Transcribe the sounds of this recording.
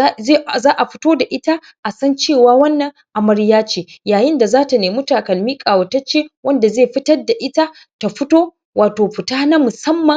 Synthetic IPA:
e˦˨zaː˦ʔa˨ɸɪ̥˦toː˦da˨ʔɪ˦ta˦ | ʔa˨sɐ˦nt͡ʃeː˦˨waː˦wɐ˦nːɐ˨ŋ | ʔa˨mɐ˦ɽjaː˦t͡ʃeː˨jaː˨jɪ˦nda˨zaː˦ta˨neː˨mʊ˦taː˨kɐ˨lmiː˦kʼaː˨wɐ˨tɐ˦t͡ʃeː˦wɐ˦nda˨zeː˦˨ɸɪ˦tɐ˦rda˨ʔɪ˦ta˦ | ta˨ɸɪ˦toː˦ | waː˨toː˨ɸɪ˨taː˦na˦mʊ˨sɐ˦mːɐ˨ŋ

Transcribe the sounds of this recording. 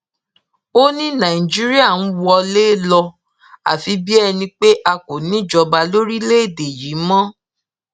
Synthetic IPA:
o˦nĩ˦nã˨i˨d͡ʒi˦ɾi˦a˦˨ñ̩˦wɔ˧le˦lɔ˧ | a̰˨fi˨˧bi˦ɛ˧nĩ˧k͡pe˦ʔa˧ko˨nĩ˦˨d͡ʒɔ˧ba˧lo˦ɾi˦le˦e˦˨de˨ji˨˦mɔ̃˦

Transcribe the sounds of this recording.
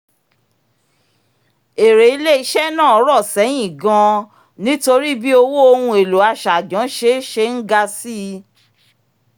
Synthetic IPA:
e˨ɾe˨˦i˧le˦i˧ʃɛ˦nã˦˨ɔ˨˦ɾɔ˦˨sɛ˨˦j̃ĩ˦˨ɡã˧ | nĩ˦to˧ɾi˦bi˦o˧wo˦o˧hũ˧e˨lo˨˦a˧˨ʃa˨d͡ʒɔ̃˨˦ʃe˧˦ʃe˧ŋ̩˦ɡa˧si˦

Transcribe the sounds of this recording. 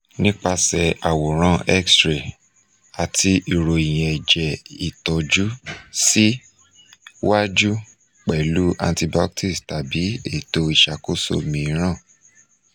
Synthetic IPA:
nĩ˦k͡pa˧sɛ˨a˨wo˨ɾ̃ã˦˨ɛ˦kstɾe˨ | a˨tʰi˧i˨ɾo˨i˨j̃ɛ̃˨ɛ˨d͡ʒɛ˨i˨tɔ˨d͡ʒu˦si˦ | wa˦d͡ʒu˦ | k͡pɛ˨lu˦ʔa̰˧nti˧ba˦k̚ti˦˨sta˨bi˨˦ḛ˦˨to˧i˨ʃa˨ko˦so̰˦˨mĩ˧˦ɾ̃ã˦˨

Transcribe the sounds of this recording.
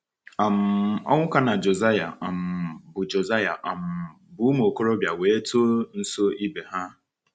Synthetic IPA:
a˨m̩˨ɔ̰˦ŋʷʊ˦ka˦na˨d͡ʒo˨za˦ja̰˨a˨m̩˨bʊ˨d͡ʒo˨za˦ja̰˨ʔa˨m̩˨ | bʊ˨˦m˦˨o˨ko˦ɾo˦bja˨weː˨˦to˦n̩˦so˦i˦be˨ɦa˦

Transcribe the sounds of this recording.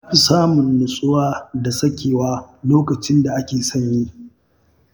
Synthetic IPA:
ajɸi˨saː˦mʊ˨nːʊ˨sʼʊ˦waː˦da˨sɐ˦kʲeː˨waː˦loː˦kɐ˨t͡ʃɪ˦nda˨ʔa˦kʲeː˨sɐ˦ɲji˦

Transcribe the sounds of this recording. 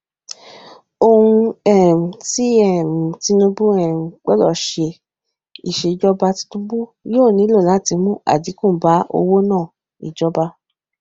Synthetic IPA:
o˧hũ˧ɛ˦˨m̩˨ti˦ɛ˦˨m̩˨ti˨˦nũ˧bũ˦ɛ˦˨m̩˨k͡pɛ˦lɔ˦˨ʃe˧ | ḭ˨ʃe˧d͡ʒɔ˦ba˧ti̥˧tũ˦bu˦joː˦˨nĩ˨˦lo˦˨la˨˦˨ti˧mũ˦a̰˨di˨˦kũ˦˨˦ba˨˦o̰˧wo˦nãː˦˨ | ḭ˨d͡ʒɔ˦ba˧

